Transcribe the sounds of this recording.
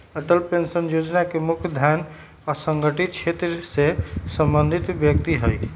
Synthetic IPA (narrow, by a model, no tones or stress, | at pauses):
əʈəlpensənjod͡ʒnakemukʰjd̪ʱjan | asəŋɡəʈit̪̚t͡ʃʰet̪ɾsesəmbənd̪ʱit̪bjək̚t̪iɦəj